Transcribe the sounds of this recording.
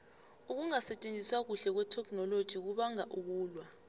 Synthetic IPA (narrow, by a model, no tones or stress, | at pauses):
uk̬uŋasɛt͡ʃʼend͡zʼʱiswak̬uɬɛk̬wɛtʰɛkʰnɔlod̥ʒ̥ʱik̬uɓaŋaʔuk̬uːlwa